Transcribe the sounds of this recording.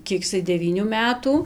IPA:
ˈkʲiɛk ɪˈsɐɪ dʲɛˈʋʲiːnʲuː ˈmʲæːtuː

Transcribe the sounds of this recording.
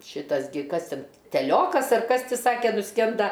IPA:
ˈʃʲiːtɐs ɡʲɪ ˈkɐs ˈtʲɛn tʲɛˈlʲoːkɐs ɐr ˈkɐs ˈtʲɪ ˈsɑːkʲɛ nʊˈsʲkʲɛndɐ

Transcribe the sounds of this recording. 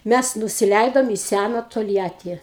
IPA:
ˈmʲæs nʊsʲɪˈlʲɛɪdoːm iː ˈsʲænɐ toːlʲˈjæːtʲiː

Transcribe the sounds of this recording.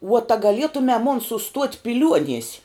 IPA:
ʋuɔt ɐ ɡɐˈlʲiɛtʊmʲɛ moːn sʊˈstuɔtʲ pʲɪˈlʲuɔnʲiɛsʲ

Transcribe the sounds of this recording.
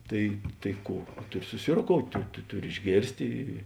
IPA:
ˈtɐɪ tɐɪ ˈkuː ˈtʊˌrʲɪ sʊsʲɪroːkoːʊtʲ tʊ ˈtʊˌrʲɪ ɪʒʲˈɡʲeːrʲsʲtʲeː

